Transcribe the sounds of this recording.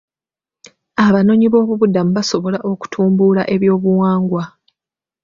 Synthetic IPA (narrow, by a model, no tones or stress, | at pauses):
aβano̞ɲiβo̞ːβuβudamuβaso̞βo̞laʔo̞ku̥tʰuːmbula̰ʔe̞βjo̞ːβuwaːŋɡwa